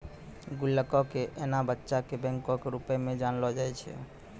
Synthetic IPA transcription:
ɡulːəkɔkeʔenabətːʃakebɛ̃ŋkɔkeɾupɛmed͡ʒanlɔd͡ʒajt͡ʃʰɛ̰

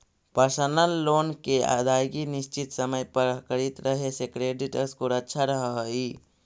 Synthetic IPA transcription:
pəɾsənəlːoːnkea̰d̪aːjɡinɪst͡ʃit̪səməjpəɾkəɾit̪ɾəɦesekɾeːɖiʈəɾskoɾətːʃʰaɾəɦəɦi

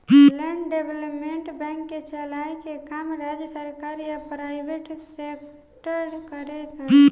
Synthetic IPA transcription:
lɛɳɖɖebləpmeɳʈbɛ̃ŋkːet͡ʃəlajkekamɾad͡ʒjəsəɾkaɾjapɾaɪbeʈsekʰ | ʈəɾkəɾet͡ʃʰə

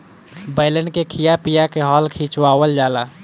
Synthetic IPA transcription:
bəɪləɳkekʰijapijakeɦɔːlkʰiːt͡ʃwaːwəld͡ʒaːlaː

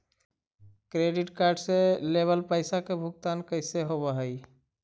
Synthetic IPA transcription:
kɾeɖiʈkaɾɖseleβəlpəɪsakebʱuk̚t̪ankəɪseɦobəɦəj

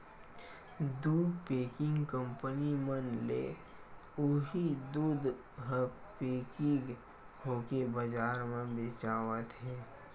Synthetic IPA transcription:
d̪uːpeːkɪ̃ŋɡkəmpənimənlḛ | ʊɦid̪uːd̪ | ɦə | peːkɪ̃ɡʰ | oːkebəd͡ʒaːɾmẽbeːt͡ʃaːwət̪ɦɛː

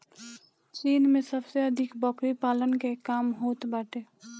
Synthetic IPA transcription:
t͡ʃiːnmẽsəbseəd̪ʱɪkbɔkɾipaːlənkekaːmɦoːt̪baːʈeː

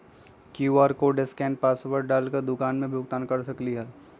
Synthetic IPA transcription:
kjuːaːɾkoɖɪskɛ̃ːnpaːsʋəɾɖaːlkəɾd̪ʊkaːnmẽbʱjʊɡt̪aːnkɐɾsɐkliɦɛː

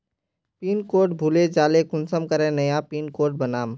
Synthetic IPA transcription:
piːnkoːɾʈbʱuːled͡ʒaːlekʊnsəmkəɾẽnəjapiːnkoːɾʈ̚bənaːm

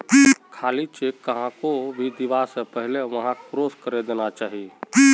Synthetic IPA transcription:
kʰaːlit͡ʃeːkːəɦãkobʱid̪ɪʋasepɛɦleʋɐɦãkɾoːskəɾed̪eːnat͡ʃaːɦie

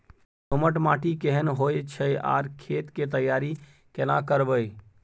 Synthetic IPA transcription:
soməʈmaːʈikeɦənɦojt͡ʃʰəja̰ːɾkʰeːt̪ket̪əjːaːɾi | kelãkəɾbəj

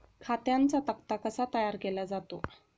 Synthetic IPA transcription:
kʰat̪jant͡sat̪əkt̪akəsat̪əjaɾkelad͡zat̪o

